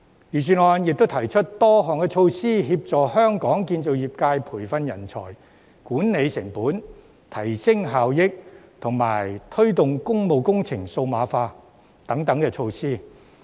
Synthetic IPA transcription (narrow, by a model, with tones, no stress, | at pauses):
jyː˨˩sʰyː˨nɔː˨njɪ˨k̚t̪wt̪ʰɐ˨˩jt͡ʃʰɵ˥t̚t̪ɔː˥ɦɔː˨ŋkɛː˧t͡ʃʰo˧wsiː˥ɦiː˧p̚t͡sɔː˨hœː˥ŋkɔː˨˥ŋkiː˧nt͡so˨wjiː˨p̚kaː˧jpʰuː˨˩jfɐ˧njɐ˨˩nt͡sʰɔ̰ː˨˩j | kuː˨˥nne˨˧jsɪ˨˩ŋpuː˨˥n | t̪ʰɐ˨˩jsɪ˥ŋɦaː˨wjɪ˥k̚t̪ʰʊ˨˩ŋma̰ː˨˩jt̪ʰɵ˥ɥt̪ʊ˨ŋkʊ˥ŋmo˨wkʊ˥ŋt͡sʰɪ˨˩ŋso˧wmaː˨˧faː˧ | t̪ɐ˨˥ŋt̪ɐ˨˥ŋkɛː˧t͡ʃʰo˧wsiː˥